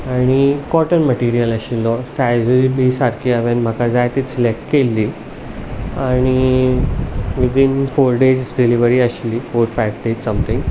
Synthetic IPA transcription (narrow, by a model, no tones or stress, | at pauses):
aɽ̃ikɔʈənməʈiɾijələɕilɔsajd͡zuɾibisaɾkiaʋenm̤akad͡zajt̪it͡slekkelːi | aɽ̃i | ʋid̪infoɾɖed͡ʑsɖiliʋəɾiəɕlifoːɾfajʋɖed͡ʑsə̃mt̪ʰĩŋɡ